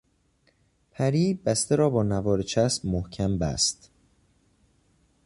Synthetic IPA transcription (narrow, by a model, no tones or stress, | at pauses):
pʰæɾiːbæst̪eɾɒːbɒːnævɒːɾet͡ʃʰæsbmohcʰæmbæ̰st̪